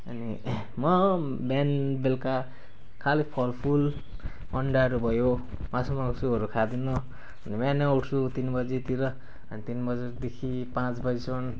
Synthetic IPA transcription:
ʌ̰ni | mʌbanbelka | kʰalipʰʌlpʰul | mʌɳɖaʌɾubʱʌjo | masʌmʌkosuʌɾukʰad̪inu | ʌnibaneowʈʰt͡sʰut̪inbʌd͡zit̪iɾʌ | ʌnit̪inbʌd͡zed̪ekʰipãt͡sbʌsʰon

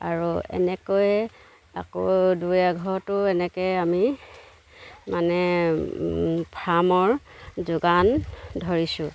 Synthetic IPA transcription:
a̰ɹuɛ̰nɛkoj | a̰kodujaɡʱɔɹtʊɛnɛkɛjami | manɛ | pʰɹamɔɹzʊɡandʱɔɹisʊ̃

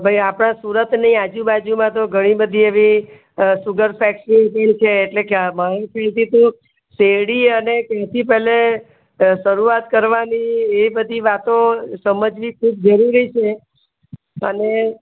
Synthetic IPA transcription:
bʱajapɽ̃ãsuɾət̪nəĩad͡ʒũbad͡ʒumãt̪̬oɡʱəɽ̃ibəd̪ʱieʋi | suɡəɾfɛkʃĩpeɳt͡ʃʰeːʈlekeamaɾõkʰɛlt̪it̪o | seɽiənekjãt̪ʰipɛɦle | ʃəɾuat̪kəɾʋanieʋibəd̪ʱiʋat̪osəməd͡ʒʋikʰub̚d͡ʒəɾuɾit͡ʃʰe | əne

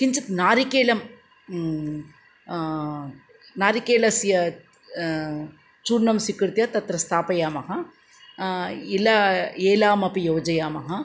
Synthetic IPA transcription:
kiɲt͡ʃɐt̪naːɾikeːlɐm | naːɾikeːlɐsijɐ | t͡ʃuːɾnɐmsikɾt̪jɐt̪ɐt̪ɾɐst̪ʰaːpɐjaːmɐɦɐ | ilɐeːlaːmɐpijoːd͡ʒɐjaːmɐɦɐ

